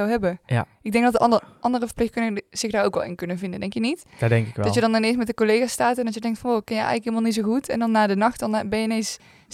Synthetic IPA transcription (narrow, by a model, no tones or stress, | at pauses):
awɦɛbə | ɪɡ̚dɛŋɡdɑtəʔɑndərəvəɹplɪxtkɵnəz̥ɪxdaːro̰ːkʋɛ̰lˠɪ̰nkɵnənvɪndəndɛŋkjənitd̥aːdɛŋkɪkʋɛdɑljədɑnɪnes̬mɛt̚dəkolejɣaːstaːtɛndɑt͡ʃjədɛŋktfɔnokːɑnjəjʔɛ̰jɣləkɦeilˠəmalˠnits̬oxutɛndɑnːaːdənɑxtdɑnbɛnjəɪnens